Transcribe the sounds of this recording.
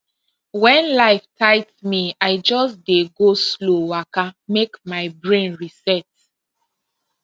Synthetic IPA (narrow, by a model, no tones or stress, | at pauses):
wɛ̃nlaɪftʰaɪtsmiaɪd͡ʒɔsdeɡoslowakamekmaɪbɹẽnɹisɛt